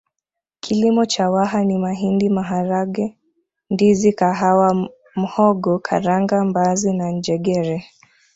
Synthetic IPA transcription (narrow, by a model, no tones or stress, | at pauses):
kʰilimɔt͡ʃawaɦanimaɦindimaɦaɾaɡɛ | ndizikaɦawa | m̩hɔɡɔkʰaɾaŋɡambazinaɲd͡ʒɛɡɛɾɛ